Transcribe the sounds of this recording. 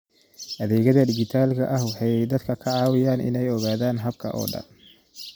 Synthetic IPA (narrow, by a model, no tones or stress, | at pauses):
ʔɐðɛːɣɐðɐɖɪɡɪt̪ʰaːlkʰɐ̰ʔɐɦwħɑjɛjd̪ɐd̪kʰɐkʰɐʕɑːwɪjaːnʔɪ̰nɛjɔɣaːðaːnɦɐb̚kʰɐ̰ʔɔ̰ːɖɐ̰n